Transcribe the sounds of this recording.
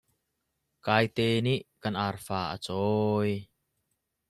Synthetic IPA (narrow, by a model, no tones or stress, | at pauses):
kaːjt̪eːniʔkɐnʔarfaːʔə̰t͡sɔj